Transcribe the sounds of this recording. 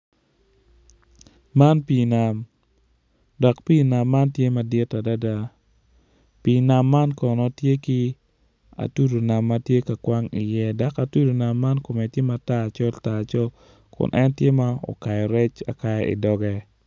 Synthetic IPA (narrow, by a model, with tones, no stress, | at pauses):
ma˦npi˨na˨m | dɔ˨kpi˦na˨mːa˦ntje˦ma˨dɪ˦ta˨da˦da˦ | pi˨na˨mːa˦nkɔ˨nɔ˨tje˦ki˦ | a̰˨tu˦do˨na˨mːa˦tje˦ka˨kwa˦ŋi˨jɛ˦da˦ka˨tu˦do˨na˨mːa˦nko˨me˨tje˦ma˨ta˦˨t͡ʃɔ˦lta˨t͡ʃɔ˦l | kʊ̰˨nʔɛ˦ntje˦ma˦ɔ̰˨ka˨jɔ˨ɾɛ˦t͡ʃa̰˨ka˦ɛ˦ḭ˨dɔ˦ɡɛ˦